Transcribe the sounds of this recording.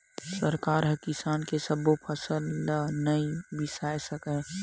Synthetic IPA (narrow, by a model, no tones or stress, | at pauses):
səɾkaːɾɦəkɪsaːnkesəbopʰəsəlːənəibɪsaːjsəkə